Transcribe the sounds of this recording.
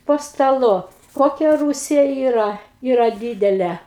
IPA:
poː stɐˈlˠʊ ˈkoːkʲɛ ˈruːsʲɪjɛ ˈiːrɐ ˈiːrɐ ˈdʲiːdʲɛlʲɛ

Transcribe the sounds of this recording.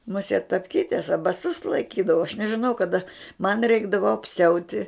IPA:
mʊˈsʲiɛt tɐpʲˈkʲiːtʲɛs ɐ bɐˈsʊs lˠɐɪˈkʲiːdɐʋɐ ɐʃ nʲɛʒʲɪˈnɐʊ kɐˈdɐ mɐn ˈrʲɛɪɡdɐʋoː ɐpʲˈsʲɛʊtʲɪ

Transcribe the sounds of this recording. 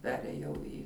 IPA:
ˈpʲæːrʲeːjɛʊ iː

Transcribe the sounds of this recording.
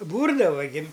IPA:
ˈbuːrdɐʋɐ ɡʲɪ

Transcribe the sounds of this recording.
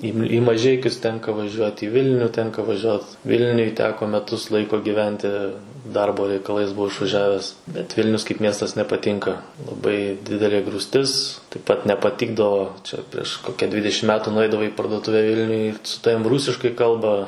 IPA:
iː ɪ mɐˈʒʲɛɪkʲʊs ˈtʲɛŋkɐ ʋɐˈʒʲuɔt iː ˈʋʲɪlʲnʲʊ ˈtʲɛŋkɐ ʋɐˈʒʲuɔt ˈʋʲɪlʲnʲʊj ˈtʲæːkoː mʲɛˈtʊs ˈlˠɐɪkoː ɡʲɪˈʋʲɛnʲtʲɪ ˈdɐrboː rʲɛɪkɐˈlˠɐɪs bʊˈʋɐʊ ɪʃʋɐˈʒʲæːʋʲɛs bʲɛt ˈʋʲɪlʲnʲʊs kɐɪp ˈmʲiɛstɐs nʲɛpɐˈtʲiːŋkɐ lˠɐˈbɐɪ ˈdʲɪdʲɛlʲeː ɡruːsʲˈtʲɪs tɐɪp ˈpɐt nʲɛpɐˈtʲɪɡdɐʋoː ˈt͡ʃʲɛ pʲrʲiɛʃ ˈkoːkʲɛ ˈdʲʋʲɪdʲɛʃʲɪm ˈmʲæːtʊ nʊˈɛɪdɐʋɐɪ iː pɐrduɔˈtʊʋʲɛ ˈʋʲɪlʲnʲʊj sʊ ˈtɑːʋʲɪm ˈruːsʲɪʃkɐɪ ˈkɐlˠbɐ

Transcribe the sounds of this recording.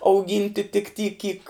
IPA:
ɐʊˈɡʲiːnʲtʲɪ tʲɪk tʲiː kʲiːk

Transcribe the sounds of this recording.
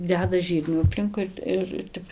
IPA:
ˈdʲæːdɐ ˈʒʲiːrʲnʲuː ɐpʲˈlʲɪŋkʊɪ ɪr ˈtʲɛp

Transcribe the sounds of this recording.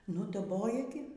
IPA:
ˈnʊ dɐˈboːjɛ ɡʲɪ

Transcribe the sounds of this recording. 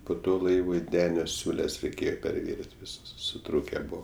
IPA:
poː ˈtoː ˈlˠɐɪʋʊɪ ˈdʲæːnʲoː ˈsʲuːlʲɛs rʲɛɪˈkʲeːjoː pʲɛrʲˈʋʲɪrʲɪnʲtʲ ʋʲɪˈsɐs sʊˈtruːkʲɛ ˈbuɔ

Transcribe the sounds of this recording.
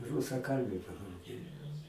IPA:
rʊsɐˈkɐlʲbʲʊ pɐdɐʊˈɡʲeːjoː

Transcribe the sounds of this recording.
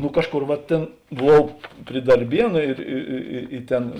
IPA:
nʊ ˈkɑːʃˌkoːr ʋɐ ˈtʲeːn bʊˈʋɐʊ pʲrʲɪ dɐrʲˈbʲiɛnʊ ɪr ɪ ɪ ɪ ɪ ˈtʲɛn

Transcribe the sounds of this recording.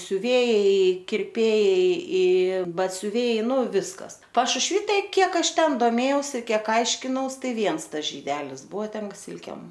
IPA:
sʲʊˈʋʲeːjɛɪ kʲɪrʲˈpʲeːjɛɪ ɪ bɐtʲsʲʊˈʋʲɛɪ ˈnʊ ˈʋʲɪskɐs pɐʃʊʃʲˈʋʲiː ˈtɐɪ ˈkʲiɛk ˈɐʃ ˈtʲɛn doːˈmʲeːjɛʊsʲɪ ˈkʲiɛk ˈɐɪʃʲkʲɪnɐʊs ˈtɐɪ ˈʋʲiɛns ˈtɐs ʒʲiːˈdʲæːlʲɪs ˈbʊʋɐ ˈtʲɛn ˈsʲɪlʲkʲeːm

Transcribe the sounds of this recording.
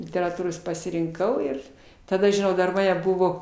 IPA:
lʲɪtʲɛrɐˈtuːroːs pɐsʲɪrʲɪŋˈkɐʊ ɪr tɐˈdɐ ʒʲɪˈnɐʊ dɐr ˈmɑːnʲɛ ˈbʊʋoː

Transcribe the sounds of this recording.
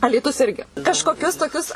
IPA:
ɐlʲiːˈtʊs ˈɪrʲɡʲɪ kɐʃkoːˈkʲʊs toːˈkʲʊs

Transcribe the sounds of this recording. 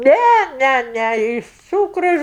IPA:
ˈnʲæ ˈnʲæ ˈnʲæ ˈɪʃ ˈt͡suːkrʊ

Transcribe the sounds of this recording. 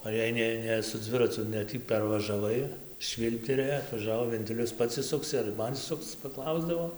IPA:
oː jɛɪ ˈnʲɛ ˈnʲɛ sʊ ˈd͡zʲʋʲɪrɐt͡sʊ nʲɛ ˈtʲiː pʲɛrʋɐʒɐˈʋɐɪ ˈʃʲʋʲiːlʲpʲtʲɛrʲeː ɐtʋɐˈʒɑːʋoː ʋʲɛnʲˈtʲɪlʲʊs ˈpɐts ɪʃˈsʊksʲɪ ɐr ˈmɐn ɪʃˈsʊkt͡s pɐˈklˠɐʊzdɐʋoː

